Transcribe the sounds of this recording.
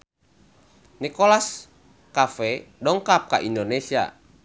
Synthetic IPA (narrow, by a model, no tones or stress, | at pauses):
nikɔlas | kafɛdɔŋkap̚ka̰ʔindonesia̰